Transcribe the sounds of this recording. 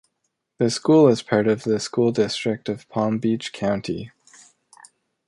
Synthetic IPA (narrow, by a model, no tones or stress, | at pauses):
ðɨskulˠəz̥pʰɑɹɾʌvðɨskulˠdɪstɹ̥ɨk̚tʌv̥pʰɑ̃mbit͡ʃkʰãʊ̃ntʰi